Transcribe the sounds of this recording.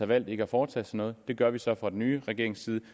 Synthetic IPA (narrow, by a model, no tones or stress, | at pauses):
æʋæl̰d̥e̝ɡ̥əæfɒːt͡sʰɛ̰ːsɒ̽nːɔ̽ːð̞̩ˠd̥e̝ɡ̥ɶɐʋisɒ̽fʁɑ̈d̥enyːʁɛɡ̥e̝ɐ̰eŋsiːðˠ